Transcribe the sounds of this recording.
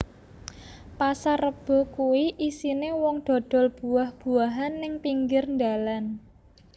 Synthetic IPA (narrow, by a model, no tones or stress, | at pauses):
pasarəb̥ɔ̤kuwiʔisinewɔŋd̪̥ɔ̤d̪̥ɔ̤lb̥ṳahb̥ṳaɦanːɪŋpiŋɡɪrnd̪alan